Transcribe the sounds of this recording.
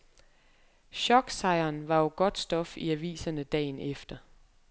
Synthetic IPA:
ɕɒ̽ɡ̥sɑ̈ɪɐːnʋɑ̈jo̝ɡ̥ɒ̽d̥sd̥ɒ̽fiæʋḭːsɐnəd̥ɛ̰ːnefd̥ɐ

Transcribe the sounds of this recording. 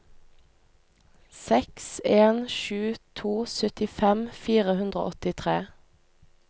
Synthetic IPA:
sɛkseːnʃʉːt̪ʰuːsœt̪ɪfɛmfiːʁəhʉnd̪ʁo̰ːʔɔt̪ɪt̪ʰʁeː

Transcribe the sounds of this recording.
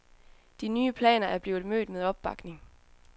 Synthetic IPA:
d̥inyːəpʰlɛ̰ːnɐʔæɐb̥liːʊð̩ˠmø̰ːd̥meðˠɒ̽b̥̚ːɑ̈ɡ̥ne̝ŋ

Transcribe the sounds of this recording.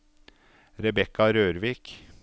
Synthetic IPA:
ɾɛbɛkɑɾøːɾʋiːk

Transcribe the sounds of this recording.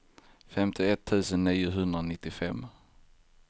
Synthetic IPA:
fɛmt̪ʰɪɛt̪ʰːʉ̟ːsənniːʊɦɵnd̪ɾanɪt̪ːɪfɛmː

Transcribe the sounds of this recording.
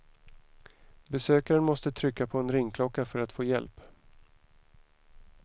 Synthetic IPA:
bɛsøːkaɾənmɔst̪ət̪ʰɾʏkːapʰɔɛnɾɪŋkʰlɔkːafœɾat̪foːjɛ̰lp

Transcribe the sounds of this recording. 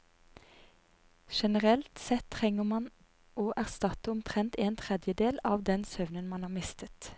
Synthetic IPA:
ʃɛnəʁɛlt̪sɛt̪ʰːʁɛŋəmɑn | oːʔæʁst̪ɑt̪əʊmt̪ʰʁɛnt̪eːnt̪ʰʁɛd̪jəd̪eːlɑːʋd̪ɛnsœʋnənmɑnhɑːʁmɪst̪ət̪

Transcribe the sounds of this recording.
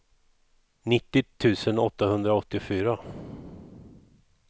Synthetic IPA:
nɪt̪ːɪt̪ʰːʉ̟ːsənɔt̪ːahɵnd̪ɾaɔt̪ːɪfyːɾa

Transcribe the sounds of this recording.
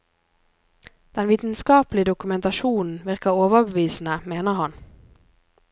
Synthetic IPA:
d̪̥ɛnʋiːt̪n̩skɑːplɪəd̪ʊkʉmɛnt̪ɑʃuːnn̩ʋɪʁkəoːʋəbəʋiːsn̩əmeːnəhɑn

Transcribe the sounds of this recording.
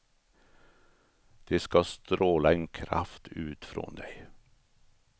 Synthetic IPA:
d̪̥eːskɑst̪ɾoːləeːnkʰɾɑ̰ft̪ʰʉːt̪fɾɔ̰nd̪æɪ

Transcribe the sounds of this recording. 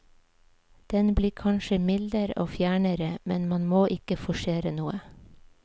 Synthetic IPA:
d̪̥ɛnbliːkʰɑnʃəmɪld̪əɾo̰ːfjæːɳəɾəmɛnmɑnmoːʔɪkəfɔʃeːɾənuːə

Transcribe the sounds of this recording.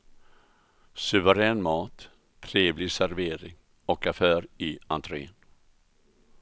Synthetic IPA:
sɵvəɾɛːnmɑːt̪ʰː | ɾeːvlɪɡsæɾveːɾɪŋ | ɔkafœːɾɪa̰nt̪ʰɾeːn

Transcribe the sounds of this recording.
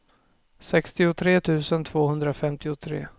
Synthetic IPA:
sɛkst̪ɪʊt̪ʰɾeːt̪ʰʉ̟ːsənt̪ʰv̥oːhɵnd̪ɾafɛmt̪ɪʊt̪ʰɾḛː

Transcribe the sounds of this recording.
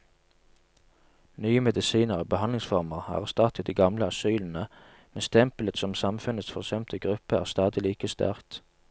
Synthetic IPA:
nyːəmɛd̪ɪsiːnəʁoːbəhɑnɪŋsfɔʁməʁæ̰ːʁæst̪ɑt̪ʰət̪d̪iːɡɑmləɑsyːln̩ə | mɛnst̪ʰɛmplət̪sɔmsɑmfʉnət̪sfɔʁsɛmt̪ʰəɡʁʉpəæ̰ːʁst̪ɑːd̪ɪliːkəst̪æ̰ʁt̪

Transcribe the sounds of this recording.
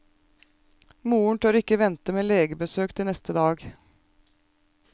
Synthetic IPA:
muːʊɳʈ̪ʰøːɾɪkːəʋɛnt̪əmeːleːɡəbəsøːkt̪ʰɪnɛst̪əd̪ɑːɡ

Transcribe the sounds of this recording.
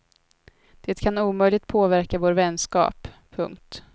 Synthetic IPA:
d̪̥eːt̪kʰanuːmœjlɪɡ̚t̪̚pʰoːvæɾkavoːɾvɛnskɑ̰ːpʰː | ɵ̰ŋkt̪

